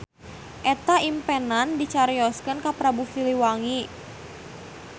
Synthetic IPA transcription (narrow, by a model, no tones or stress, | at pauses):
ʔɛt̪aimpɛnandit͡ʃaɾijɔskənkapɾabufiliwaŋi